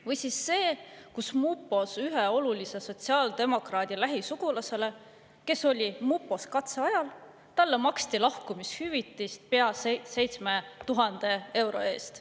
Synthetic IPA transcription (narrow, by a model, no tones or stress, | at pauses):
vɯjsisːe̞ːkusmupːˑo̞syɦeo̞lulise̞so̞t̪siɑːld̪̥e̞mo̞krɑːd̪̥ʲilæɦisuɡ̥ulɑse̞le̞ | ke̞so̞lʲimupːˑo̞skɑt̪seɑjɑl | t̪ɑlːemɑkst̪ilɑhkumishyvit̪ːˑist̪̚peɑsse̞jt̪sme̞t̪uɦɑnd̪̥e̞e̞wɾo̞̰e̞ːst̪